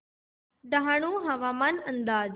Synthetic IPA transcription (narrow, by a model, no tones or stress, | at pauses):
d̪aɦaɽ̃ũɦɐʋaːmanə̃nd̪aːd͡ʒ